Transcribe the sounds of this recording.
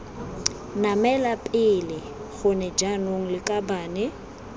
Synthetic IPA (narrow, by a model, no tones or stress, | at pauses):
namɛlapʼɪlɪ | ɣʊnɛd͡ʒanoŋ̩lɪkʼabaːnɛ